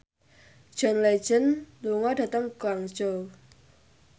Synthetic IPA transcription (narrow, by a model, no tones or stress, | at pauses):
d͡ʒ̥ɔnle̥d͡ʒənluŋɔdat̪əŋkwaŋ̥d͡ʒo